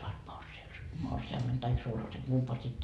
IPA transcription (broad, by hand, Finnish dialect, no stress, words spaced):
suɑt morsius morsiɑmːen tɑik sulhɑsen kumpɑː sit